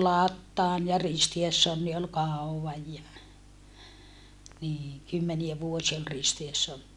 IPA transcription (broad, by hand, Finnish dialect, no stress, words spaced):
lɑtːɑːn jɑ ristiesːonːi ol kɑˑuwʋɑj jɑ niːŋ kymːeniæ ʋuosiɑ ol ristiesːonːi